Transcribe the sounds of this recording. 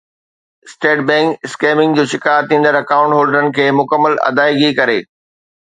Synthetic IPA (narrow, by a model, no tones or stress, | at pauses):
sʈeːʈbɛ̃ːŋkɪskeːmɪ̃ŋɡd͡ʑoːʃɪkaːt̪ʰːĩːnd̪əɾɐkaːʊ̃ɳʈɦoːlɖəɾənɪ̆kʰeːmʊkəmːəlɐ̰d̪aːiɡikɐɾeː